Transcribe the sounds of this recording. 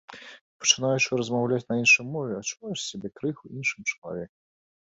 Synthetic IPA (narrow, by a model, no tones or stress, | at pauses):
pɐ̥t͡ʂɨnajuʂɨɾɐzmawlʲat͡sʲnɐinʂɨjmɔvʲɛat͡ʂuvajɛʂsʲabʲɛkɾɨxuinʂɨmt͡ʂɐlˠa̰vʲɛkɐ